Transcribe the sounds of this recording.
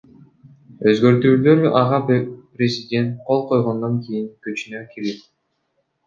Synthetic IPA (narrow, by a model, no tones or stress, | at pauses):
øzɡø̞ɾt̪yːløɾyʔɑʁɑprʲezʲɪdʲe̞nt̪̚qʰo̞lˠqʰo̞jʁond̪oŋkijiŋkyt͡ʃynøkʰilit̪